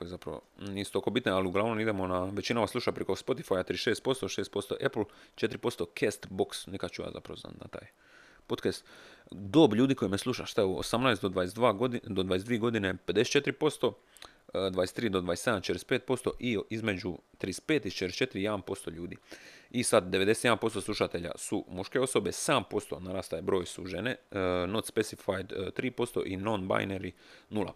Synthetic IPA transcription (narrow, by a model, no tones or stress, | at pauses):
kojezapɾa̰ʋo̰niːsu̥t̪okobit̪nealiuɡlˠaːʋno̞mid̪emonaʋe̞t͡ɕinaʋaslˠuʃapɾeko̞spo̞t̪ifajat̪ɾiːʃeːst̪̚po̞st̪oʃeːst̪po̞st̪o̞̰ʔepl̩ˠt͡ʃe̞t̪iɾipo̞st̪okʰest̪boksnikḁt͡ʃuja̰za̰pɾa̰ʋona̰t̪na̰t̪a̰ːj | pot̪kast̪d̪oːbʎuːd̪iko̞jimeslˠuʃaʃst̪aeo̰samnajsd̪od̪ʋaesd̪ʋaːɡ̪d̪od̪ʋaes̬d̪ʋieɡo̞d̪inepe̞d̪ese̥t͡ʃet̪ɾipo̞st̪o̞ | d̪ʋajest̪ɾiːd̪o̞d̪ʋajese̞d̪amt͡ʃet̪ɾespeːt̪̚po̞st̪o̞̰ʔiizme̞d͡ʑut̪ɾis̚pe̞ːt̪it͡ʃeɾest͡ʃet̪ɾijed̪anpo̞st̪o̞ʎuːd̪ḭisad̪d̪e̞ʋe̞d̪e̞set̪je̞d̪anpo̞st̪o̞slˠuʃat̪e̞ʎa̰sumuʃke̞o̞so̞be̞sampo̞st̪o̞naɾaːst̪ajebɾo̞ːjsuʒenenot̪spesifajd̪t̪ɾiːpo̞st̪o̞̰ʔinonba̰jneɾinulˠa̰